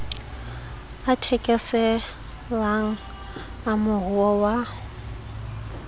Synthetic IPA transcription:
atʰɛkʼɛsɛ | βaŋ̩ | amʊɦuwɔwa

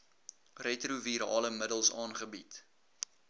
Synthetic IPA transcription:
rɛtruviɾɑːləmədəlˠsɑːnχəbit

